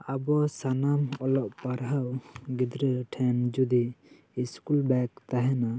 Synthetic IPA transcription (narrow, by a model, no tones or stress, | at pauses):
abɔsanamɔlɔʔpaɾɦawɡid̪ɾəʈʰɛnd͡ʒud̪iː | skulbɛkt̪aɦɛna